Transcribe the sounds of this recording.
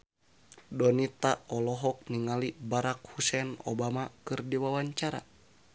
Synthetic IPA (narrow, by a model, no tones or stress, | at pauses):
dɔnit̪aɔlɔɦɔk̚niŋalibaɾak̚husɛnɔ̰bamakɨrdiwawaɲt͡ʃaɾa̰